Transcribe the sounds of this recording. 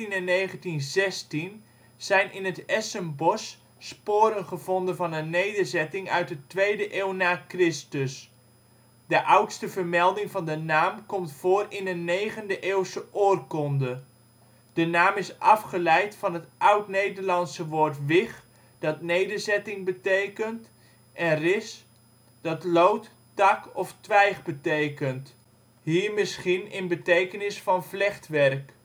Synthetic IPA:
inɛnːejχəntinzɛstin | z̥ɛjnʔɪnɦətɛsəmbɔsː | poːɾənχəvɔndəvɑnənːejdəɹzɛtɪŋœɥt̚dətʋejdəʔeːwnaːkrɪstəs | dəʔʌwtstəvəɹmɛlˠdɪŋvɑndənaːmkɔmtfoːrɪnənejχəndəʔeːwsəʔoːrkɔndə | d̥ənaːmɪsʔɑfχəlɛjtfɑnɦətʔʌwtnejdəɹlɑnsəʋoːɹtʋɪχ | d̥ɑtnejdəɹzɛtɪŋbətejkənt | ʔɛnrɪs | d̥ɑtlowt | tɑkɔftʋɛjχbətejkənt | ɦiːɹmɪsχinɪnbətejkənɪsfɑnvlɛχtʋɛrk

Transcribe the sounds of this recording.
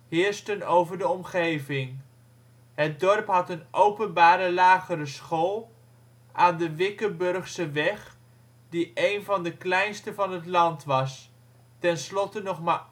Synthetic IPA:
ɦɪːɹstənowvəɹdəɔmχejvɪŋ | ɦət̚dɔɹpɦɑtənʔowpənbaːɾəlaːχəɾəsχolˠ | aːndəʋɪkəbɵɹχsəʋɛχ | diʔejnvɑndəklɛjnstəvɑnɦətlɑntʋɑs | tɛnslɔtənɔχmaː

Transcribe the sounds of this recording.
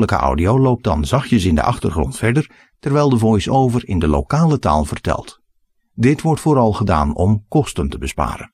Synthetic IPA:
ləkə̰ʔɑ̰wdiowlowp̚dɑ̰nzɑχjəsɪndə̰ʔɑχtərχrɔ̰ntfɛɹdəɹ | tɛrʋɛjlˠdəvɔjsowvəɹɪndəlo̰kaːləta̰ːlˠvərtɛ̰lˠt | dɪtʋɔɹtfoːɾɑlˠχəda̰ːnɔmkɔstəntəbəspa̰ːɾə̰n

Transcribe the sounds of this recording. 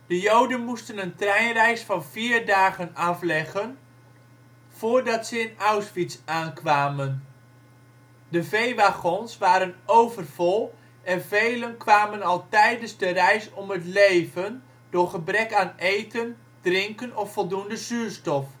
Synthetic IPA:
d̥əjowdənmustənəntrɛjnrɛjsfɑnv̥iːrdaːɣənɑflɛɣən | v̥ʊːɹdɑtsəɪnawsfitsaːnkʋaːmən | dəvejʋaχɔnsʋaːɾənowvərvɔlˠ | ʔɛnvejlənkʋaːmənɑlˠtɛjdənzdərɛjsɔmətlejvən | dʊɹχəbrɛkaːnejtən | d̥rɪŋkənɔffɔlˠdundəzyːɹstɔf

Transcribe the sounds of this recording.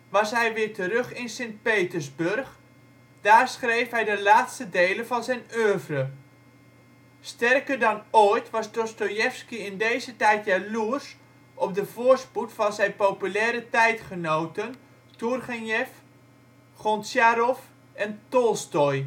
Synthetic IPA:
ʋɑsɦɛjʋɪːɹtərɵχɪnsent̚pejtəɹzbɵørχ | d̥aːrsχrejfɦɛjdəlaːtstədejlənvɑnzɛjnøːvrə | stɛrkəɹdɑnoːjtʋɑsdɔstojɛfskiɪndejzətɛjtjaluɹs | ɔb̚dəvoːɹsputfɑnzɛjnpowpylɛːɾətɛjtχənowtən | turχɛnjɛf | χɔntsjaɾɔf | ɛntɔlˠstoj

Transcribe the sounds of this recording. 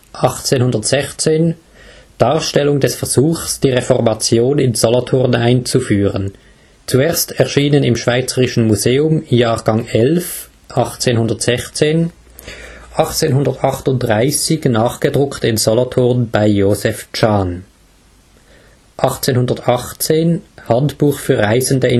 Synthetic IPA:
ʔɑχt͡seːnhʊndɐtz̥ɛçt͡seːn | d̥aːɐʃtɛlʊŋdɛsfɛɐz̥uːxsd̥iːʁefɔʁmat͡sjoːnɪnz̥ɔlotʰʊʁnaɪnt͡sufyːʁən | t͡sueːɐstʰɛɐʃiːnənɪmʃv̥aɪt͡səʁɪʃn̩muzeːʊmjaːʁɡaŋʔɛlf | ʔɑχt͡seːnɦʊndɐtz̥ɛçt͡seːn | ʔɑχt͡seːnɦʊndɐtɑχtʊntdʁaɪsɪçnaːχɡ̥ədʁʊktɪnzɔlotʰʊʁnb̥aɪjoːzɛft͡ʃaːn | ʔɑχt͡seːnhʊndɐtɑχt͡seːnhantb̥uːχfyːɐʁaɪzəndəɪ

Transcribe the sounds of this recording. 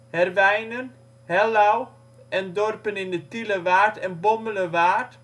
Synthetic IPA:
hɛrʋɛjnən | hɛlaw | ʔɛndɔrpənɪndətiləʋaːrtɛnbɔmələʋaːrt

